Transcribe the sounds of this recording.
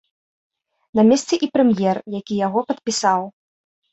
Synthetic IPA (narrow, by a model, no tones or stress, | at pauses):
namʲɛst̪sʲɛʔipɾɛmjɛrjakʲijaɣɔpɐt̪̚pʲisaw